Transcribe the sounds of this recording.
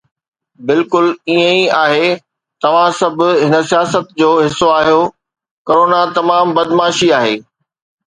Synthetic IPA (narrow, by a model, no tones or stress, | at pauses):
bɪlkʊliə̃iaːɦe | t̪ɐʋ̤ãsɐbʱʊ̆ɦɪnə̆sijaːsət̪̚d͡ʑoːɦɪsːoaːɦjo | koːɾoːnat̪ɐmaːmbɐd̪maːʃiaːɦeː